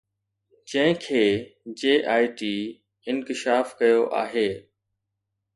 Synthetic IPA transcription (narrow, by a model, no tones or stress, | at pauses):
d͡ʑɐ̃ɦɪ̃kʰeːd͡ʑeːʔaːɪʈiː | ɪnkɪʃaːfkɐjoʔa̰ːɦeː